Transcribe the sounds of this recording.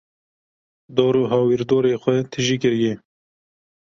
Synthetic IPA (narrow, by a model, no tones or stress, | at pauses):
d̪oːɾuːɦɑːwiɾd̪oːɾeːxʷɛt̪ʰɪʒiːkɪɾjeː